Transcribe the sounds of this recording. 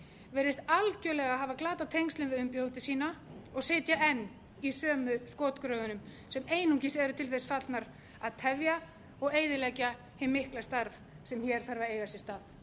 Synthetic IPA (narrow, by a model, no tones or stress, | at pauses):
vɛːɾɪst̪alcœlɛɣaɦaːvaklaːt̪at̪ʰejŋst̪ʏnvɪðʏmpjow̪t̪ɪsiːnaɔɣsɪːt̪jaʔɛnː | isœːmʏskoːt̪kɾœːðʏnʏm | sɛmeːjnuŋcɪsɛɾʏt̪ʰɪlθɛsfat̪naɾ | aðt̪ʰɛvja | ɔɣeːjðɪlɛca | hɪmːɪhklast̪aɾv | sɛmçɛɾ̥θaɾvaeːjɣasjɛst̪aːð